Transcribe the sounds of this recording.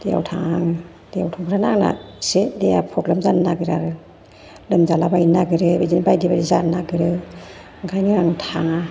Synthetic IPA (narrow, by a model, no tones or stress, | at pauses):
d̥eja̰wtʰaŋaŋ | d̥eja̰wtʰɔŋɡʰɯɾanaŋna̰sedejapʰɔklamzanːaɡɯɾaɾɯ | lɯmzalabajinaɡɯɾɯbezinbajdibaɾizanːaɡɯɾɯ | ŋɡʰajnɯɾaŋtʰaŋa